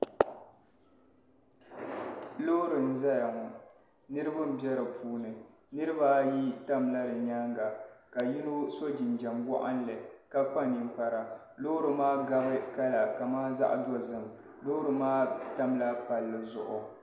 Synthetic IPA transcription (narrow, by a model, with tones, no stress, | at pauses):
lo˦ɾɨ˨n̩˨za˦ja˨ŋɔ˨ | nɨ˦ɾɨ˦ba˦m̩˦˨bɛ˦ɾɨ˨pʰuː˦nɨ˨ | nɨ˦ɾɨ˦ba˦ji˦ta˦mla˦dɨ˨ɲa˦ŋɡa˨ka˨ji˦no˦so˦d͡ʒi˨nd͡ʒa˨mɡa̰˦ʔa̰˦n˦lɨ˨ka˦k͡pa˦ni˨m˦pa˨ɾa˨ | lo˦ɾɨ˨maː˦ɡa˦bɨ˦ka˦la˨ka˨maː˦za̰˦ʔdɔ˦zɨ˨m˨ | lo˦ɾɨ˨maː˦ta˦mla˦pa˨lːɨ˨zʊ̰˨ʔʊ˨